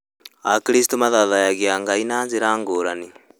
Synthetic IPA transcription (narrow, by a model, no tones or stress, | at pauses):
akiɾistomaðaðajaɣjaŋɡainaːnzeɾaːŋɡoɾani